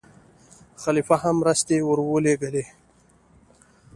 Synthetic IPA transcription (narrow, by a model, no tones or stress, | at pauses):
xalifahamːɾast̪ewəɾwoleɡəle